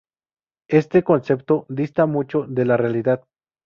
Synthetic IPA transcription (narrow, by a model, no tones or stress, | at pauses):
est̪ekonse̞p̚t̪od̪ist̪amut͡ʃo̞ðelarealiðað